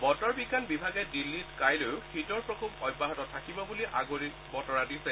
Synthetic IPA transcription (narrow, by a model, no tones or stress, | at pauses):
bɔtɔɹbiɡanbibʱaɡɛdilːitkajlojʊkʰitɔɹpɹɔkʰubɔbaɦɔtɔtʰakibɔbuliʔa̰ɡoɹikbɔtɔɹadisɛ